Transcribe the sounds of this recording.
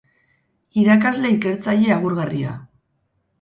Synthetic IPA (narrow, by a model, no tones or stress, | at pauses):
iɾakazle̞ike̞ɾt͡saʎe̞aɣ̞uɾɣaria̰